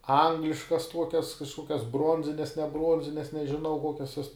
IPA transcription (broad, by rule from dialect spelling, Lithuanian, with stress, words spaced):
ˈɐŋɡlʲɪʃkɐs ˈtuɔkʲɛs kɐʃˈkoːkʲɛs ˈbroːnʲzʲɪnʲɛs nʲɛ ˈbruɔnʲzʲɪnʲɛs nʲɛʒʲɪˈnɐʊ ˈkoːkʲɛs juɔs